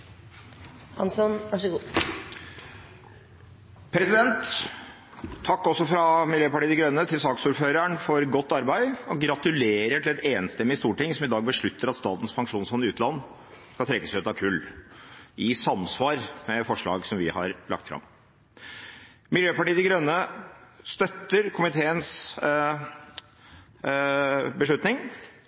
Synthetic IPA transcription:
hɑnsɔnʋæʂəɡuː | pʰɾɛsɪd̪ɛnt̪ | ɑkːɔsːɔfɾɑmɪljøːpɑʈiːd̪ɪɡɾœnːət̪ʰɪlsɑːksuːɾføːɾæɳfɔɾɡɔt̪ːɑɾbæɪɔɡɾɑt̪ʉleːɾəʈʰɪlɛt̪eːnst̪ɛmːɪst̪uːʈɪŋsɔmɪd̪ɑːɡ̚bəʂɭʉt̪ːəɾɑt̪st̪ɑːt̪n̩spʰɑŋkʂuːnshɔnːɪʉːt̪lɑnː | skɑlt̪ʰɾɛkːəsʉːt̪ɑkʰʉlː | ɪsɑmsʋɑːɾmɛfɔʂɭɑ̰ːɡsɔmʋɪhɑ̰ɾlɑ̰kt̪fɾɑ̰m | mɪljøːpɑʈiːəd̪ɪɡɾœnːəst̪œt̪ːəɾkʰʊmɪt̪ʰeːəns | bəʂɭʉt̪nɪŋ

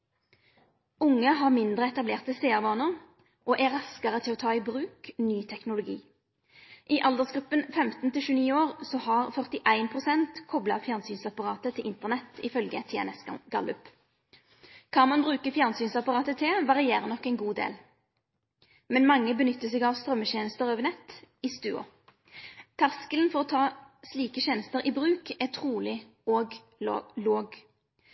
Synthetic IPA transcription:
ʊŋːəɦɑːʁmɪnd̪ʁəɛt̪ɑbleːʁt̪əseːɑʁʋɑːnəʁ | ʔoːʔæʁɑskəʁət̪ʰɪlɔːt̪ʰɑːibʁʉːknyːt̪ʰɛknʊlʊɡḭː | ʔɪʔɑld̪əsɡʁʉpːənfɛmt̪nt̪ɪlʃʉːniːoːʁsɔhɑʁfœʁt̪ɪʔæɪnpʰʁʊsɛnt̪kʰɔblɑfjæːʁnsyːnsɑpɑʁɑːt̪ət̪ʰɪlʔɪnt̪əʁnɛt̪ɪ̰fœlɡət̪ʰɛɛ̰nɛsɡ̥ɑ̰lʉp | kʰɑnmɑnbʁʉːkəfjæʁnsyːnsɑpɑʁɑːt̪ət̪ʰɪʋɑʁɪeːʁənɔkːɛɪnɡuːd̪ḛːl | mɛnmɑŋːəbənʏt̪ːəsɛːɡɑʋst̪ʁœmːəçeːnəst̪əʁøːʋəʁnɛt̪ːɪst̪ʉ̰ːʊ̰ | t̪ʰæʁskəlnfɔʁɔt̪ʰɑːsliːkəçeːnəst̪əʁʔiːbʁʉːkæt̪ʰʁuːlɪ | oːɡ | loːɡ

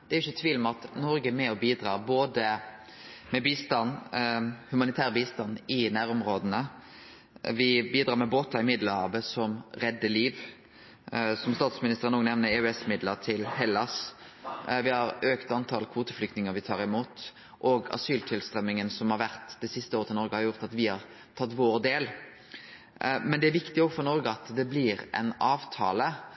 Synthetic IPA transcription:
d̪̥ɛæɾjɪçːət̪ʰʋiːlmɑt̪nɔɾɡəmɛɔbiːd̪ɾɑːboːd̪ə | mɛbiːst̪ɑnː | hʉmɑnɪt̪ʰæːʁəbiːst̪ɑnɪnæːɾʊmɾoːd̪ənə | ʋɪbiːd̪ɾɑːmɛboːt̪ɑɪmɪd̪ləhɑːʋəsɔmɾɛd̪ːəliːʋ | sɔmst̪ɑːt̪smɪnɪst̪əʁənuːɡnɛʋnəɾɛʉɛsmɪd̪ləɾt̪ʰɪlhɛlːɑs | ʋɪhɑɾøːkt̪ɑnt̪ʰɑlkʰʋuːt̪əflʏk̚t̪nɪŋəʋɪt̪ʰɑːɾɪmuːt̪ | ʔoɡɑ̰syːlt̪ʰɪlst̪ʁɛmːɪŋənsɔmhɑɾʋæʁt̪d̪ɛsɪst̪əoːɾət̪ɪnɔɾɡəhɑɾʁjʊʁt̪ɑt̪ʋɪhɑʁ | t̪ʰɑt̪ːʋoːʁd̪eːl | mɛnd̪ɛæɾʋɪkt̪ɪoːɡfɔɾnɔɾɡəɑt̪d̪ɛblɪɾʔɛ̰nɑːʋt̪ʰɑːlə

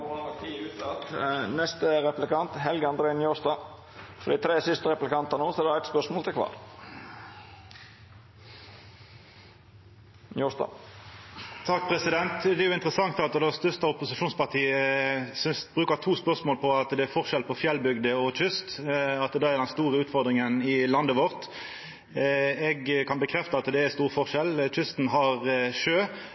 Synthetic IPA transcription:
pɑt̪ʰiːʉːt̪sɑt̪nɛst̪əɾɛplɪkɑnt̪ɦɛlɡəɑnd̪ɾeɪnjoːsd̪ɑː | fɔd̪ɛt̪ʰɾeːsʏst̪əɾɛplɪkɑnt̪ɑnoːsɔɛɾɛæɪt̪spœʂmoːlt̪ʰɪkʰʋɑ̰ːɾ | juːsd̪ɑ̰ː | t̪ʰɑk̚ːpʰʁɛsɪd̪ɛnt̪d̪ɛjʊɪnt̪əʁəsɑŋt̪ɑt̪d̪ɛst̪œst̪əʊpʊsɪʃuːnspɑʁt̪ʰiːəsʏnsbʁʉːkəʁt̪ʰuːspœʁsmoːlpʰɔɑt̪d̪ɛæɾfɔʁʃɛlpʰɔfjɛlbʏɡd̪əɔc͡çʏst̪ɑt̪̚d̪ɛæʁd̪ɛnst̪uːʁəʉːt̪fɔʁd̪ʁɪŋənɪlɑnd̪əʋɔʁt̪ | ɛɡkʰɑnbəkʰʁɛft̪əɑt̪d̪ɛæst̪uːʁfɔʁʃɛlc͡çʏst̪nɦɑʁʃøː

